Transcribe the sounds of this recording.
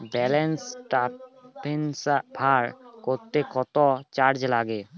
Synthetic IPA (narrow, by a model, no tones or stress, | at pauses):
bɛlensʈapensapʰaɾkoɾt̪ekɔt̪ɔt͡ʃaɾd͡ʑlaɡe